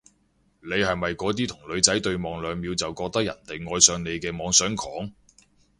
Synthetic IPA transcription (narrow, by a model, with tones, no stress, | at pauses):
ne˨˧jhɐ˨jmɐ˨jkɔː˨˧˥t̪̬iː˥t̪ʰʊ˨˩ŋlɵ˨˧ɥt͡sɐ˨˥jt̪ɵ˧ɥmɔː˨˧ŋlœː˨˧ŋmiː˨˧wt͡sɐ˨wkɔː˧k̚t̪ɐ˥k̚jɐ˨˩nt̪e˨jŋɔː˧jsœː˨˧ŋne˨˧jkɛː˧mɔː˨˧ŋsœː˨˥ŋkʰɔː˨˥ŋ